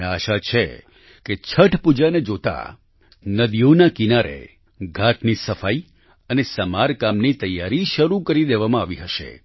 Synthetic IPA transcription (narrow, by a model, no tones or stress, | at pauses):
aʃat͡ʃʰḛ | ket͡ʃʰəʈʰpud͡ʒaned͡ʒot̪a̰ | nəd̪ijonakinaɾḛ | ɡʱat̪nisəfai | ənesəmaɾkamnit̪əjːaɾiʃəɾukəɾid̪eʋamãaʋiɦəʃḛ